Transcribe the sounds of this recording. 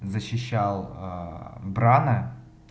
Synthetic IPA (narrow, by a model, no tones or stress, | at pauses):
zəɕːɪɕːalˠ | bɾanə